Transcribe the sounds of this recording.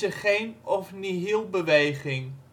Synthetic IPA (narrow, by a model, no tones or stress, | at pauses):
əχejnɔfniɦɪlˠbəʋejχɪŋ